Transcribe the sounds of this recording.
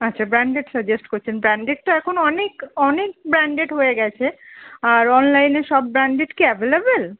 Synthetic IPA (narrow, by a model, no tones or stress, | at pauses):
atːʰabɾaɳɖeʈsəd͡ʑesʈkoɾt͡ɕʰenbɾaɳɖeʈ̚ʈoɛkʰonɔnekɔnek̚bɾaɳɖeʈɦojeɡɛt͡ɕʰeaɾɔnlajneʃɔbːɾaɳɖeʈkeɛvelebel